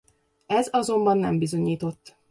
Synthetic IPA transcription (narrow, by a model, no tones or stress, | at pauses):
ɛzɒzo̞mbɒnːɛmbizo̞ɲiːt̪o̞t̪ː